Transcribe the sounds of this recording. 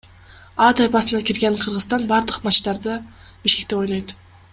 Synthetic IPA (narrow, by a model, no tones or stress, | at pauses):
ɑt̪ɑjpɑsɯnɑkʲiɾɡeɴqʰɯɾʁɯst̪ɑnbɑɾd̪ɯqmɑʃt̪ɑɾd̪ɯ | biʃke̞k̚t̪e̞ojnɑjt̪